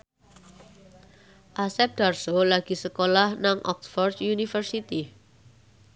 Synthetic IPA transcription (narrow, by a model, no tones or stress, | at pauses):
ʔasɛp̚d̪̥arsolaɡ̥i̤səkolahnaŋʔɔksfɔrd̪junifərsit̪i